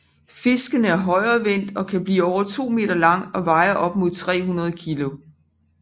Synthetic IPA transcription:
fe̝sɡ̥ənəæɐɦɒ̽ɪ̰ɐːʋen̰d̥ɒ̽kʰæb̥lḭːɒʊ̰ɐt͡sʰo̝̰ːme̝̰ːd̥ɐlɑ̈ŋ̰ɒ̽ʋɑ̈ɪɐʔɒ̽b̥̚mo̝ð̰ˠt͡sʰʁɛ̰ːɦunɐð̞ˠəkʰilo̝

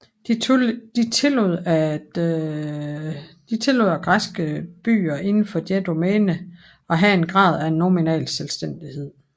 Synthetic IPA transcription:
d̥d̥it͡sʰe̝loð̰ˠæ̥ | d̥it͡sʰe̝løð̰ˠæɡ̥ʁasɡ̥əb̥y̰ːɐʔe̝nn̩fɒ̽d̥jæd̥o̝mɛːnə | ɒ̽ɦæe̝nɡ̥ʁɑ̈ːð̞̰ˠæe̝nːɒminɛ̰ːlselsd̥en̰d̥ihe̝ð̞̰ˠ

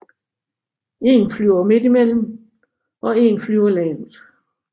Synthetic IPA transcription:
e̝nflyʊɐme̝d̥imel̰m̩ | ʔɒ̽e̝nflyʊɐlɛːnðˠ

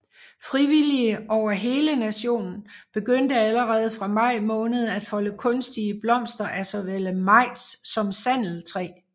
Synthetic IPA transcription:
fʁiʋiliəɒʊ̰ɐɦe̝ːlənæɕo̝̰ːnn̩b̥e̝ɡ̥øn̰d̥əæləʁɛːð̞̩ˠfʁɑ̈mɑ̈ɪ̰mɔ̽ːnəð̞ˠæd̥fɒ̽ləkʰɔ̽nsd̥iəb̥lɒ̽m̰sd̥ɐʔæsɒ̽ʋeləmɑ̈ɪ̰sːɒ̽msæn̰l̩t͡sʰʁɛ̰ː

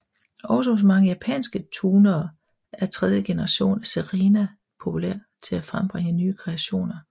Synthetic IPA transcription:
ɒ̽ʊs̬əhos̬mɑ̈ŋəjæpʰɛ̰ːnsɡ̥ət͡sʰuːnɐː | æɐt͡sʰʁɛð̞ˠjəɡ̥e̝nəʁɑ̈ɕo̝̰ːnæseʁeːnæ | pʰo̝pʰulæ̰ɐ̰t͡sʰe̝læfʁamb̥ʁeŋənyːkʰʁeæɕo̝̰ːnɐ

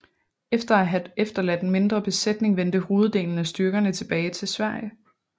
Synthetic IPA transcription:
efd̥ɐæɦæefd̥ɐlæd̥enme̝nd̥ʁɐb̥e̝sed̥ne̝ŋʋen̰d̥əho̝ːð̞̩ˠd̥e̝̰ːln̩æsd̥yɐɡ̥ɐnət͡sʰe̝b̥ɛːɪt͡sʰe̝lsʋæɐ̰jə

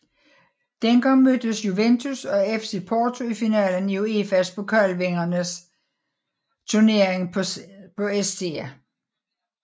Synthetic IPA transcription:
d̥enɡ̥ɑ̈ŋ̰mød̥əsjuʋent͡sʰusɒ̽efse̝pʰɒːt͡sʰo̝ifinɛ̰ːlənjoe̝ːfæspʰɒ̽kʰɶlʋeŋɐnəs | t͡sʰuɐne̝ːɐeŋpʰɒ̽esd̥ʰe̝̰ːæ

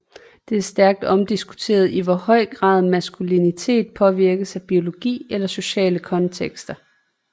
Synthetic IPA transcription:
d̥e̝æɐsd̥æɐɡ̥̚d̥ɒ̽md̥isɡ̥u̥t͡sʰe̝̰ːɐð̞ˠiʋɒhɒ̽ɪ̰ɡ̥ʁɑ̰̈ːð̞ˠmæsɡ̥ulinit͡sʰe̝̰ːd̥̚pʰɒ̽ʋiɐɡ̥əsæb̥io̝lo̝ɡ̥ḭːelɐso̝ɕɛ̰ːləkʰɒ̽nt͡sʰeɡ̥sd̥ɐ

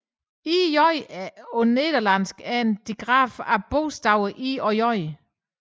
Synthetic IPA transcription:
ijɒɪoned̥ɐlænsɡ̥æɐe̝nd̥iɡ̥ʁɑ̰̈ːfæb̥o̝ːsd̥ɑʊ̰ʔiɒjɒɪ

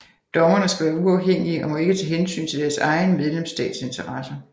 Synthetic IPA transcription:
d̥ɒ̽mɐnəsɡ̥æʋæːɐuɑʊheŋ̰iəʔɒ̽mo̽e̝ɡ̥ət͡sʰɛɦensy̰ːnt͡sʰe̝ld̥æɐsɑ̈ɪnəmeð̞ˠlemsd̥ɛ̰ːd̥se̝nt͡sʰɐʁɑsɐ

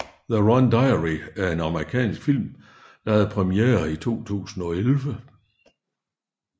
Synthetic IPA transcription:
ðəʁɑnd̥ɑ̈ɪəʁiæɐe̝nɑ̈məʁikʰɛ̰ːnsɡ̥fil̰m | d̥ɑ̈hæðˠpʰʁɛmiḛːɐit͡sʰo̝̰ːt͡sʰṵːsn̩ɒ̽elʋə

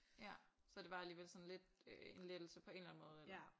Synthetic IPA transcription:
jæsɒ̽d̥e̝ʋɑ̈æliːʋelsɒ̽nle̝d̥øe̝nled̥l̩səpʰɒ̽e̝ːnlæn̩mɔ̽ːð̞̩ˠel

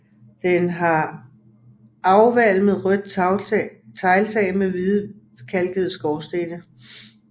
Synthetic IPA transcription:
d̥enɦɑ̈ | ɑ̈ʊʋæl̰með̩ˠʁœd̥ | t͡sʰɑɪlt͡sʰɛːɪmeʋiðˠ | kʰælɡ̥əð̩ˠsɡ̥ɒʊsd̥ed̥ə

